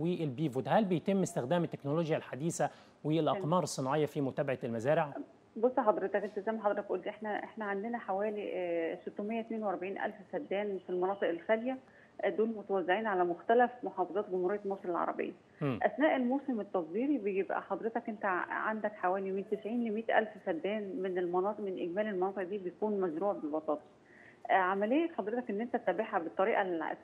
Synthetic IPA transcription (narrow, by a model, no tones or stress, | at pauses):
wielbiːvod̪hælbejt̪ɪmːest̪ɪxd̪æːmet̪ːe̥knoloːɡjælħad̪iːsæ | welʔɑqmɑːɾˤesˤːɨnʕejːɑfimʊt̪æːbaʕalmæzæːɾɪʕ | bosˤːɑħɑd̪ˤɾet̪ɑkʔent̪æzæjmæħɑd̪ˤɾɑk̚b̪ʔuːld̪iːʔeħnæʔeħnæʕand̪enæħawæːlisot̪ːomejːæt̪æneːnwʔæɾˤbaʕiːnʔæ̰lfsæd̪ːæːnfilmɑnɑːt̪ˤeʔelxæljæ | d̪uːlmot̪æwæzːeʕiːnʕalæmoxt̪ælæfmoħɑːfɑzˤɑːt̪̚ɡomhuɾejːælmoːsˤelelʕɑ̰ɾˤɑ̰bḛjːæ | ʔæsnæːʔelmoːsemet̪ːɑsˤwiːɾibejebʔæ̰ħɑd̪ˤɾet̪ɑkʔent̪æʕa̰nd̪ækħawæːliment̪esʕiːnlemiːt̪ʔæ̰lfsæd̪ːæːnmenelmɑnɑːt̪ˤʔmenʔeɡmæːlelmɑnɑːt̪ɨeʔd̪iːbet̪̚kuːnmæʒɾuːʕbebɑt̪ˤɑːt̪ˤɑ̥ | ʕamælejːæt̪ħɑd̪ˤɾet̪ɑkʔenːʔent̪æt̪ːæbeħæbet̪ˤːɑɾiːʔælʕa̰